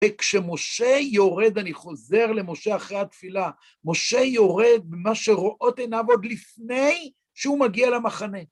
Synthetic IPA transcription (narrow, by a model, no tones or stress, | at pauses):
vekʃe̞mo̞ʃe̞jo̞ʁe̞d̪aniχo̞ze̞ʁle̞mo̞ʃe̞aχʁejhat̪fila | mo̞ʃe̞jo̞ʁe̞d̪̚bemaʃe̞ʁoʔot̪enavo̞d̪lifne̞j | ʃeumaɡialamaχane̞